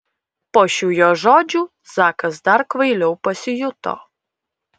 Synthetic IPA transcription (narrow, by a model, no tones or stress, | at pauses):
poːʃʲuːjoːʒoːd͡ʒʲuː | sɑːkɐsd̪ɐɾkʋɐɪlʲɛʊpɐsʲɪjʊt̪o̰